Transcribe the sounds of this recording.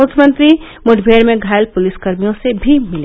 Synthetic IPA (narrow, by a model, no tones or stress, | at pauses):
ʊkʰjəmənt̪ɾi | mʊʈʰbʱeɾmẽɡʱaːɪlpʊliskəɾmijõsebʱimɪle